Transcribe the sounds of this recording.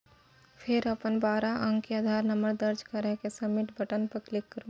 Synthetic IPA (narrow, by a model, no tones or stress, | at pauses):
pʰɪɾɐpənbaːɾaʔə̃ŋɡkiaːd̪ʱaːɾnɐməɾd̪ɐɾd͡ʒkaɾəɦkesɐmɪʈbʱəʈənpɐɾklɪkːɐɾũː